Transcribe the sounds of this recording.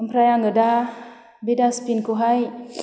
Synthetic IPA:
əmpɾajaŋɡəda | bedaspinkuɦaj

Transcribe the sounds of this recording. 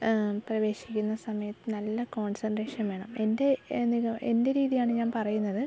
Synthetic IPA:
prɐʋe̞ːʂi̥kʲːunːɐsɐmɐjɐt̪ːɨnɐlːɐko̞ːɳsɐndre̞ːʂɐnʋe̞ːɳɐme̞nde̞niɣɐe̞nde̞ɾiːðijaːɳɨɲaːnpɐrɐjunːɐðɨ

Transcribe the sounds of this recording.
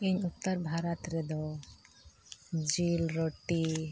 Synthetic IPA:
iɲut̪ːaɾbʱaɾat̪ɾɛd̪ɔ | d͡ʒilɾoʈi

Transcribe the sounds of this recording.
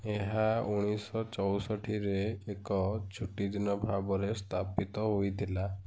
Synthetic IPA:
eɦauɽ̃isɔt͡ʃɔwsɔʈʰiɾeːkɔt͡ʃʰuʈid̪inɔbʱabɔɾest̪ʰapit̪ɔɦojt̪ʰila

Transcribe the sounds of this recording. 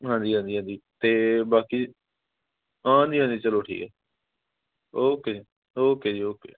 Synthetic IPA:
ɦãːnd͡ʒiːɦãːnd͡ʒ̪iːɦãːnd͡ʒiːt̪eːbaːkiː | ãːnd͡ʒiːɦãːnd̪iːt͡ʃəloːʈʰḭːkɛː | oːkeː | oːkeːd͡ʒiːoːkḛː

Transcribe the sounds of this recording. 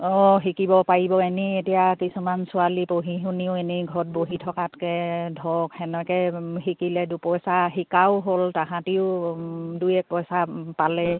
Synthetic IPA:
ɔɦikibɔpaɹibɔenietijakisumansʊalipoɦiɦuniʊeniɡʱɔt̚boɦitʰɔkatkɛdʱɔkhɛnɔkɛɦikilɛdupɔjsaɦikaʊɦoltaɦãtiʊdujɛk̚pɔjsapalɛ

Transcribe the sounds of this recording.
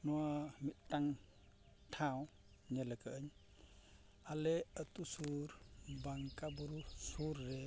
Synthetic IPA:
nɔwamit̚taŋ | tʰaw | ɲeləkʰəːɲ | aleətusuɾbaŋkʼabɔɾusuɾːe

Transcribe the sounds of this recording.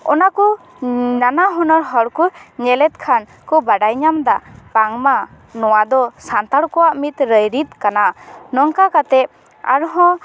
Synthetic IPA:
ɔ̰naku | nanaɦɔnɔɾɦɔɽkuɲɛlɛt̪̚kʰan | kɔbaɖajɲamd̪apaŋma | nɔwad̪ɔsant̪aɽkɔwaʔmit̪ɾəjɾit̪̚kananɔŋkakat̪ɛʔ̚ | a̰ɾɦɔ̃

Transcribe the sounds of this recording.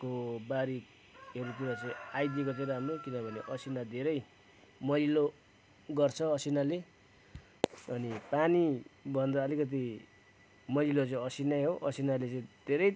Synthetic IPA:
kobaɾik | ʌɾut̪uɾʌt͡sʌĩajd̪jikʌt͡sʌɾamrokinʌbʱʌneʔʌsinad̪ʱeɾʌj | mʌlilo | ɡʌrt͡sʰʌʌsinale | ʌnipanibʱʌnd̪ʌːlikʌt̪̬i | mʌlilot͡sʌĩʌsinajɦoʔʌsinalet͡sʌĩd̪ʱeɾʌj

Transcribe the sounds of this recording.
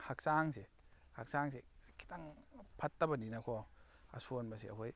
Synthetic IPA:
hak̚saŋse | hak̚saŋs̬ekʰi̥taŋpʰɐtːɐbɐninɐkʰɔ | ɐ̰sunbɐsia̰kʰoj

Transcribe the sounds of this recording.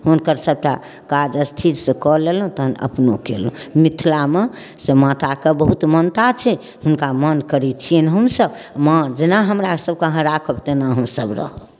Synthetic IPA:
ɦunkəɾsəb̚ʈa | kad͡ʒəst̪ʰiɾsə̃kɔlelɦũt̪əɦənə̰pnokḛlũmit̪ʰlame | semat̪akebəɦut̪mənt̪at͡ʃʰɛ | ɦunkamənkəɾɛt͡ʃʰienɦəmsəbməd͡ʒenaɦəmɾasəb̚kəɦə̃ɾakʰəbt̪enaɦəmsəbɾə̰ɦ

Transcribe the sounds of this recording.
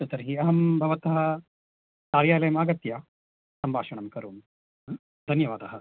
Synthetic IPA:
tɐt̪ɐɾɦiːɐɦɐmbʱɐʋɐt̪ɐɦɐ | t̪aːɾjaːlɐjmaɡɐt̪ja | sɐmbʱaːʂɐɳɐmkɐɾuːm | d̪ʱɐnjɐʋaːd̪aɦɐ

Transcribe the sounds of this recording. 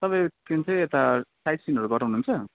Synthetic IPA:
t̪ʌpaj̃kint͡sʰʌj̃et̪asajʈsinʌɾuɡʌɾãɦunuːnt͡sʰʌ

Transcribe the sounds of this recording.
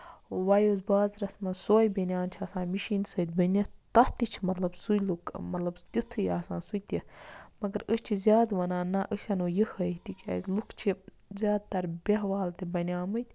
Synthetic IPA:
ʋɐjoːzbaːzɾɐsmɐsoːjbɐnʲjaːnt͡ʃʰiɐsãːnmiʃiːnsɐd̪bɐnʲɐt̪ɐht̪it͡ʃʰimɐt̪lɐbsujlukmɐt̪lɐbt̪ut̪ʰːɨjaːsãːnsut̪ʲimɐɡɐɾəsʲt͡ʃʰizʲjaːd̪ʋɐnaːnaʔəsʲɐnoːjihɐt̪ikʲɐ̰ːzlukʰt͡ʃʰi | zʲjaːd̪̚t̪ɐɾbeɦʋaːlt̪ibɐnʲaːmɨt̪ʲ

